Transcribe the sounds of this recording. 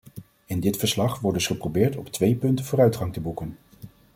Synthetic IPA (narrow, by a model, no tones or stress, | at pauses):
ɪndɪtfəɹslɑχʋɔɹdɵsχəprobɪːɹtɔptʋejpɵntəvʊːɾœɥtχɑŋtəbukən